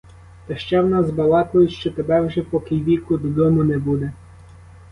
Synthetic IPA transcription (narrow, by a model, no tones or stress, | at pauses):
t̪ɐʃt͡ʃɛwnɑzbɐlˠɑk̪ɔjʊʃt͡ʃɔt̪ebɛwʒɛpɔkijʋʲikʊd̪ɔd̪ɔmʊnɛbud̪ɛ